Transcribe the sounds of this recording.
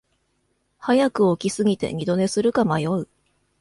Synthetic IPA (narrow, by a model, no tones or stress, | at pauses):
hajakɯ̟o̞kʲisɨɡʲit̪e̞̰ɲ̟ʲid̪o̞ne̞sɨɾɯ̟kamajo̞ɯ̟